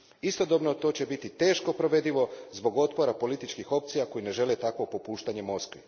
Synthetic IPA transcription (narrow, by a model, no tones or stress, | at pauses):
ist̪o̞d̪o̞bno̞t̪o̞ːt͡ɕebit̪it̪e̞ːʃko̞pɾo̞ʋe̞d̪iʋo̞zbo̞ɡo̞t̪po̞ɾapo̞lit̪it͡ʃkixo̞p̚t̪sijako̞jine̞ʒe̞let̪akʋo̞po̞puːʃt̪aɲe̞mo̞skʋi